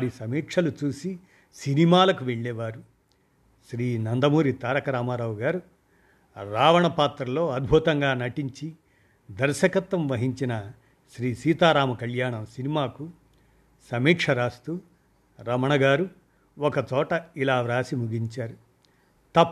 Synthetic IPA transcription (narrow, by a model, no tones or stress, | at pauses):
ɾisɐmiːkʂʰɐlut͡ʃuːsi | sinimaːlɐkuʋe̞ɭːɛːʋaːɾu | ʃɾiːnɐnd̪ɐmuːɾit̪aːɾɐkɐɾaːmaːɾaʋuɡaːɾu | ɾaːʋɐɳɐpaːt̪ɾɐlo̞ːɐd̪̚bʱut̪ɐŋɡaːnɐʈiɲt͡ʃi | d̪ɐɾʃɐkɐt̪ːɐmʋɐɦiɲt͡ʃinɐ | ʃɾiːsiːt̪aːɾaːmɐkɐljaːɳɐmsinimaːku | sɐmiːkʂɐɾaːst̪u | ɾɐmɐɳɐɡaːɾu | ɔkɐt͡ʃɔːʈɐilaːʋɾaːsimuɡiɲt͡ʃaːɾu | t̪ɐpː